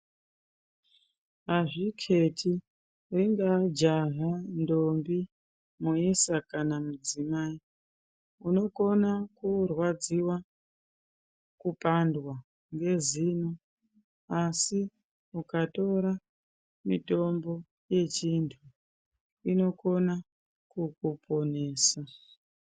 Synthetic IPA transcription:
ɦaʐikʰe̞tʰi | riŋɡad͡ʒaɦando̞mbi | muisakanamud͡zimaːi | uno̞ko̞nakurwad͡ziwa | kupandwa | ŋɡe̞zino | asi | ukato̞ɾa | mito̞mbo̞ | je̞t͡ʃintʰu | ino̞ko̞na | kukupo̞ne̞ːsa

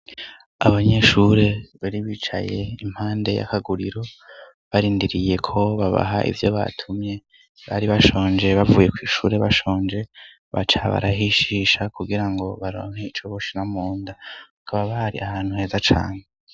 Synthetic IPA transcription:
aβaɲe̞ʃuɾe̞βaɾiβit͡ʃa̰je̞im̥haːnde̞̰ja̰kaɡuɾiɾo̞ | βaɾiːndiɾije̞kʰo̞βaβa̰ɦa̰ʔḭvjo̞βa̰tʰumɲe̞ | βaɾiβaʃo̞ːnd͡ʒe̞βavuːje̞kwiːʃuːɾe̞βaʃo̞ːnd͡ʒe̞ | βa̰t͡ʃaβa̰ɾaɦiʃiːʃakuɡiɾaŋɡo̞βaɾo̰ŋheit͡ʃoβoʃinamuːndaakʰaβaβaɾiʔahaːn̥huhe̞ːzat͡ʃa̰ːne

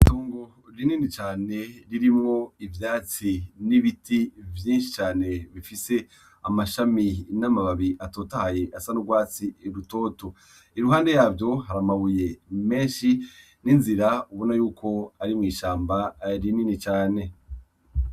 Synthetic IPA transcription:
itoːŋɡo̞ | ɾininit͡ʃaːne̞ɾiɾimŋo̞ivjaːt͡siniβitivjiːnʃi̥t͡ʃaːne̞βifise̞ | amaʃaminamaβaβiʔatoːtahaje̞ʔasanuɡwaːt͡sieɾuto̞ːto̞ | iɾuɦaːnde̞jaːbjo̞ɦaɾamaβuje̞me̞ːnʃi | ninziɾauβo̞najuːkʰo̞aɾimŋiːʃaːmbaɾininit͡ʃaːne̞

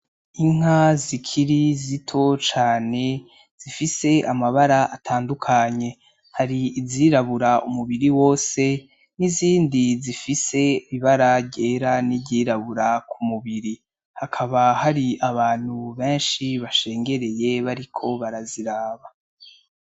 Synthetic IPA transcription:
iŋ̥ɦazikʰiɾizitʰo̞t͡ʃaːne̞ | z̥ifise̞ʔamaβaɾaʔatʰaːndukʰaɲe̞ | haɾiːziːɾaβuɾaumuβiɾiwo̞ːse̞ | niziːndizifise̞iβiβaɾaɟe̞ːɾaniɟiːɾaβuɾakʰumuβiɾi | hakʰaβahaɾiaβaːn̥huβe̞ːnʃiβaʃe̞ːŋɡe̞ɾe̞je̞βaɾikʰo̞βaɾaziɾaːβa

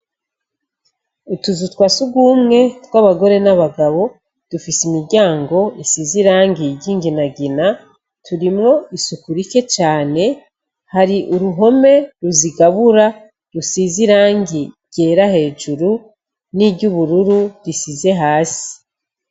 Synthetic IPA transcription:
utuzutwaːsuɡuːmŋe̞twaβaɡo̞ɾe̞naβaɡaβo̞ | d̥ufisimiɾɟaːŋɡo̞isiːziɾaːŋɡiɟiːŋɡinaɡina | tuɾimŋo̞isukuɾike̞t͡ʃaːne̞ | haɾiʔuɾuɦo̞me̞ɾuziɡaβuɾa | ɾusiziɾaːŋɡi | ɟ̥e̞ːɾahe̞ːʒuɾu | niɟuβuɾuɾudisize̞ɦaːsi̥

